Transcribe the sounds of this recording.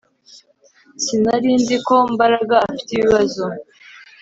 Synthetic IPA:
sinaɾiːndiko̞mbaɾaɡaːfi̥teβiβazo

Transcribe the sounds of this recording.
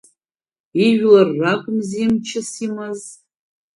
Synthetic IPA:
iʒᶣlarːakʷʼʊmzimt͡ʃʰɪsimɨz

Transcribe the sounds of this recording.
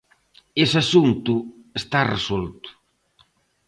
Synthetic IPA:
esasunt̪uest̪aresolt̪u̥

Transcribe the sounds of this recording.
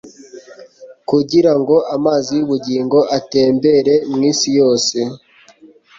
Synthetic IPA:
kuɟiɾaŋɡo̞ʔamaːzijuβuɟiːŋɡo̞ʔate̞ːmbe̞ɾe̞mŋiːsijo̞ːse̞

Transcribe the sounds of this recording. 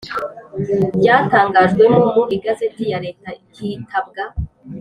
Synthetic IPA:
bɟaːtaːŋɡaʒɡwenumuɾiɡasetijaɾeːtahiːtʰab̚ɡa

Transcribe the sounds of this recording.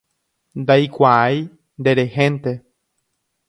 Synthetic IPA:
nd̪ajkʷaaj | nd̪eɾehẽnt̪e

